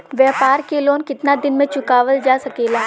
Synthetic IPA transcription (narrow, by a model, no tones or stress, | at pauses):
ʋjɛːpaːɾkeloːnkɪt̪nad̪ɪnmẽt͡ʃʊkaːʋəld͡ʒaːsɐkeːlaː